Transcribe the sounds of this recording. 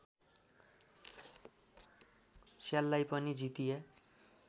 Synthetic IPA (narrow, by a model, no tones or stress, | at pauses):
salːajpʌnid͡zit̪ije